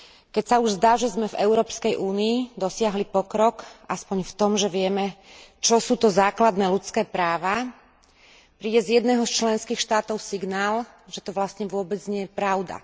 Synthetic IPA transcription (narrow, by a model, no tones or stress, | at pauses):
kɛcsauʒzd̪aːʒɛzmɛvɛ̰ʊɾɔːpskɛjʔuːniːd̪ɔsɪaɦlipɔkɾɔkʔaspɔɲft̪ɔmʒɛʋɪɛmɛt͡ʃɔsuːt̪ɔzaːklad̪nɛːlut͡skɛːpɾaːʋa | pɾiːɟɛzjɛd̪nɛːɦɔst͡ʃlɛnskiːxʃt̪aːt̪ɔʊsiɡnaːl | ʒɛt̪ɔʋlast̪ɲɛʋʊɔbɛd͡zɲɪɛjɛpɾaʊd̪a̰